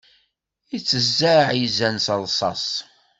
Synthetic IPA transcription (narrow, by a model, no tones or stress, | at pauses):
it͡sːəzːaʕjizænsəlˤsˤɑ̰sˤ